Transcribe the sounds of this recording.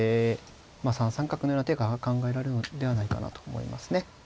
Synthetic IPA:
e | maːsãɰ̃sãŋkakɯ̟nojonat̪eɡakãŋɡae̞ɾaɾenod̪e̞β̞anaika̰na̰t̪o̞ːmo̰ḭma̰sɨ̥ne̞

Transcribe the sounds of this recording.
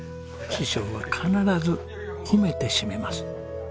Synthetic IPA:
ɕiɕo̞ːβakʰanaɾazɨ | kɯme̞t̪e̞ɕime̞masɨ̥

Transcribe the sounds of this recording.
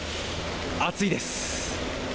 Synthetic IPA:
at͡sɨid̪e̞s

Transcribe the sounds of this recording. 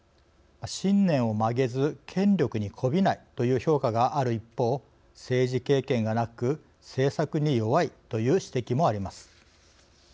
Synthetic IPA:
maɕĩnːẽ̞ɰ̃o̞maɡe̞zɨkʰẽ̞nɾʲo̞kɯ̟ɲ̟ikʰo̞bʲinait̪o̞jɯ̟ːço̞ːkaɡaʔaɾɯ̟ipːo̞ː | se̞ːʑike̞ːkẽ̞ŋɡanakɯ̟ | se̞ːsakɯ̟ɲ̟ijo̞βait̪o̞jɯ̟ːɕi̥t̪e̞kʲimo̞aɾʲimasɨ̥

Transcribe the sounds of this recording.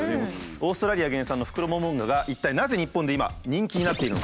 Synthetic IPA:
o̞ːst̪oɾaɾʲiaɡẽ̞ɰ̃sãnːo̞ɸɯ̥kɯ̟ɾo̞momõŋɡaɡaʔit̪ːainaze̞ɲ̟ipːõnd̪e̞ima̰ɲ̟ĩŋkʲiɲ̟inat̪ːe̞iɾɯnok

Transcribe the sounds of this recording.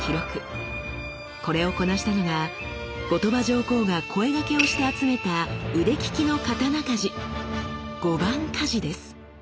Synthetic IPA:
kʲiɾo̞kɯ̟ | ko̞ɾe̞oko̞naɕi̥t̪anoɡa | ɡo̞t̪o̞baʑo̞ːko̞ːɡakʰo̞e̞ɡake̞o̞ɕi̥t̪e̞at͡sɨme̞t̪aɯ̟ɾe̞kʲi̥kʲino̞kat̪anakaʑi | ɡ̥o̞bãŋkʰaʑid̪e̞sɨ̥

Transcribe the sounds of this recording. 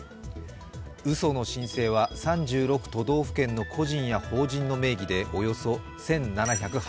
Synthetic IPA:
ɯ̟so̞no̞ɕĩɰ̃se̞ːβasãɲ̟d͡ʑɨːɾo̞kɯ̟̥t̪o̞d̪o̞ːɸɯ̟̥kẽ̞nːo̞kʰo̞ʑĩɰ̃jaho̞ːʑĩnːo̞me̞ːɡʲid̪e̞ʔo̞jo̞so̞ | sẽ̞nnanaçakɯ̟h

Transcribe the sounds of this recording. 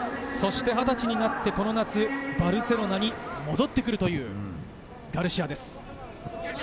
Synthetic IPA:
so̞ɕi̥t̪e̞ɦat̪at͡ɕiɲ̟inat̪ːe̞ko̞no̞nat͡sɨbaɾɯ̟se̞ɾo̞naɲ̟imo̞d̪o̞t̪ːe̞kɯɾɯ̟t̪o̞jɯ̟ː | ɡaɾɯ̟ɕiad̪e̞sɨ̥

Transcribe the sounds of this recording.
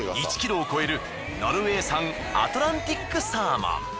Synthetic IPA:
it͡ɕi̥kʲiɾo̞ːko̞e̞ɾɯ̟ | noɾɯe̞ːsãŋ | a̰t̪oɾãnt̪ʲikːɯ̟saːma̰

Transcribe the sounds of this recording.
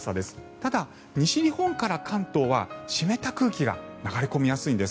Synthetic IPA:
sad̪e̞sɨ̥t̪ad̪a | ɲ̟iɕiɾʲihõ̞ŋkaɾakʰãnt̪o̞ːβa̰ɕime̞t̪akɯ̟ːkʲiɡa̰naɡaɾeko̞mʲijasɨĩnd̪e̞s

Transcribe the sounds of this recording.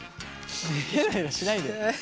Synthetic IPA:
ikenaiɾaɕinaid̪e

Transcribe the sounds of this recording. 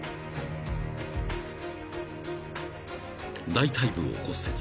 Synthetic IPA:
d̪ait̪aibɯ̟̃o̰ko̞set͡s

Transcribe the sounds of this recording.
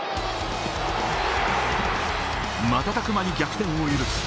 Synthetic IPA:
mat̪at̪akɯ̟maɲ̟iɡʲakɯ̥t̪ẽ̞ɰ̃o̞iɾɯ

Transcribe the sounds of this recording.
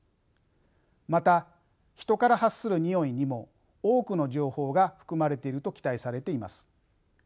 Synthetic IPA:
mat̪a | çi̥t̪o̞kaɾahasːɨɾɯ̟ɲ̟io̞iɲ̟imo̞ | oːkɯ̟no̞ʑo̞ːho̞ːɡaɸɯ̥kɯ̟maɾe̞t̪e̞iɾɯ̟t̪o̞kʲi̥t̪aisaɾe̞t̪e̞ima̰sɨ̥

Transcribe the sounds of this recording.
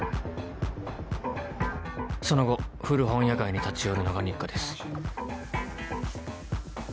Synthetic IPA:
so̞no̞ɡo̞ɸɯ̟ɾɯ̟ɦõ̞ɰ̃jakaiɲ̟it̪at͡sijoɾɯ̟no̞ɡaɲ̟ʲikːad̪e̞sɨ̥

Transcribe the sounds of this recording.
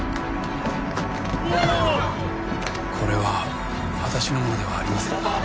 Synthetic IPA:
kʰo̞ɾe̞βa | βat̪aɕino̞monod̪e̞βaːɾʲimasẽ

